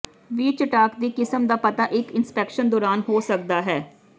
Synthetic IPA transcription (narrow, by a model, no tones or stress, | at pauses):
ʋiːt͡ʃəʈaːkd̪iːkɪsəmd̪aːpət̪aːʔɪkɪnspɛːkʃənd̪ɔːɾaːnɦoːsək̚d̪aːɦɛː